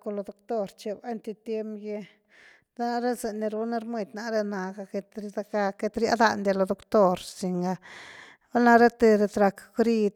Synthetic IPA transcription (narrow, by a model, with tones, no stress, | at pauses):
ko˧lo˧d̪o˧kt̪o˦˧ɾt͡ʃe˨ba˦nt̪i˧t̪je˦mje˧ | d̪̥a˦na˦˧ɾe˦ze˧ni˧ɾu˧˦na˦ɾmi˧d̪ʲna˧ɾe˦na˨ɡa˧ke˧t̪ɾd̪a˧ka˧ke˧t̪ɾja̰˦d̪a˧nd̪ʲe˧lo˧d̪o˨kt̪o˦ɾsi˧ŋɡa˧ | ba˦lna˧ɾe˦t̪e˧ɾe˧t̪ɾa˧kɡɾi˧d̪